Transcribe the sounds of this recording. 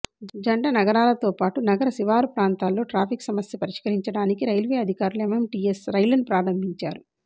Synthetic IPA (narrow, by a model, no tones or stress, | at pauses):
d͡ʒɐɳɖɐnɐɡɐɾaːlɐt̪o̞ːpaːʈunɐɡɐɾɐsiʋaːɾupɾaːnt̪aːlːo̞ːʈɾaːpʰiksɐmɐsjɐpɐɾiʂkɐɾiɲt͡ʃɐɽaːnikiɾɐjlʋeːɐd̪ʱikaːɾulememʈiːesɾɐjlɐɳpɾaːɾɐmbʱiɲt͡ʃaːɾu